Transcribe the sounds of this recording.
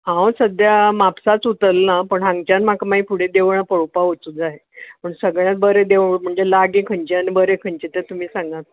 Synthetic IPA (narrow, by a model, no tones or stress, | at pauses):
ɦãwsəd̪jamapsat͡sut̪əlnapəɳɦãŋɡt͡ɕanmakamaipʰuɽ̤ed̪eʋɳ̃apəɭopaɦot͡sud͡zaɦepəɳsəɡɭjãt̪̚bəɾed̪eʋm̤əɳd͡zelaɡekʰəɳt͡ɕeanibəɾekʰəɳt͡ɕet̪et̪um̤iːsãŋɡat̪